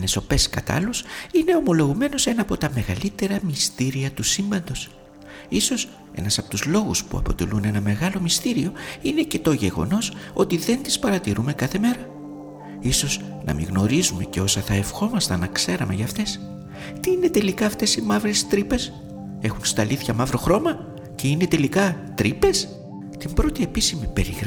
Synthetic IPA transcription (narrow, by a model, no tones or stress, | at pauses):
neso̞pe̞skɐt̪ɐ̰lusine̞o̞mo̞lo̞ɣume̞no̞se̞nɐːpo̞t̪ɐme̞ɣɐlit̪e̞ɾɐmist̪iɾiɐt̪usimbɐnd̪o̞s | iso̞s | e̞̰nɐsɐpo̞t̪uzlo̞ɣuspṵɐ̰po̞̰t̪e̞̰lune̞nɐme̞ɣɐlo̞mist̪iɾio̞ine̞ce̞t̪o̞ʝe̞ɣo̞̰no̞so̞t̪iðe̞nt̪i̥spɐɾɐt̪iɾume̞kɐθe̞me̞ɾɐ | iso̞z | nɐ̰mḭɣno̞ɾizume̞̰ce̞o̞sɐθɐe̞fxo̞mɐst̪ɐnɐkse̞ɾɐme̞ʝɐft̪e̞s | t̪iine̞t̪e̞likɐːft̪e̞simɐvɾest̪ɾipe̞s | e̞xunst̪ɐlʔiθçɐmɐvɾo̞xɾo̞mɐ | ce̞ine̞t̪e̞likɐ | t̪ɾipe̞s | t̪imbɾo̞t̪ie̞pisimipeɾiɣɾ